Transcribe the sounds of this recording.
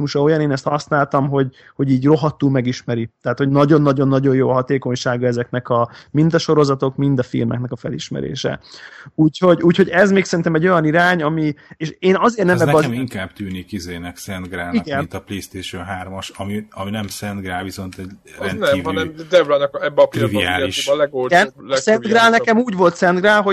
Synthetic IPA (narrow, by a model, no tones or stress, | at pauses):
muʃɒo̞jɒneːnɛst̪hɒsnaːlt̪ɒmɦo̞ɟ | ho̞ɟiːɟro̞ɦɒt̪ːuːmɛɡiʃmɛɾit̪ɛɦat̪ho̞ɟnɒɟo̞nːɒɟo̞nːɒɟo̞jjoːɦɒt̪eːko̞ɲʃaːɡɒɛzɛknɛkɒmind̪ɒʃo̞ɾo̞zɒt̪o̞kmind̪ɒfḭlmɛkn̪ɛkɒfɛliʃmɛ̰ɾḛːʃɛ̰uːcho̞ɟuːcho̞ɟɛzmeːksɛɾint̪ɛmɛɟːo̞jɒniɾaːɲɒmieːʃeːnɒzeːrtnɛɛbɛmiŋkaːb̚t̪yːnikizeːnɛksɛnd̪ɡɾaːlniɡɛnnt̪ɒpleːjst̪eːʃonɦaːrmɒʃɒmiɒminɛmsɛnd̪ɡɾaːlviso̞nt̪ɛɟɾɛnnɛiːvɒnɛmd̪ɛblɔnɒkɛbːɛɒfivia̰ːliʃiɛlɛɡolɛnoblsɛnɡraːlnɛkɛmuːɟvo̞lt̪sɛnd̪ɡraːlɦo̞